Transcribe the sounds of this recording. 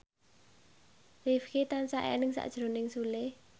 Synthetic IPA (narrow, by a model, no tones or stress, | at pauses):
rifkit̪ansaʔɛ̰nɨŋsa̰ʔʒ̥ɾonɪŋsule